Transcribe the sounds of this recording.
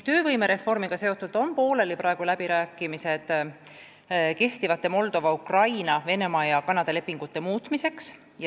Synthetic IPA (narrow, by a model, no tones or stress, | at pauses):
t̪ø̞ːvɤjme̞ɾe̞fːo̞rmiɡ̥ɑse̞o̞t̪ːˑuld̪̥o̞npo̞ːle̞lipɾɑeɡ̥ulæb̥iɾæːkːˑimise̞d̪̥ | ke̞ht̪ivɑt̪ːˑe̞mo̞ld̪̥o̞vɑukrɑjnɑve̞ne̞mɑjɑkɑnɑd̪̥ɑle̞pːiŋɡ̥ut̪ːe̞muːt̪mise̞ks